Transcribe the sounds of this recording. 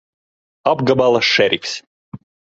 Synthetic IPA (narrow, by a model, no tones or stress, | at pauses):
abɡabalˠasʃɛɾʲikʲs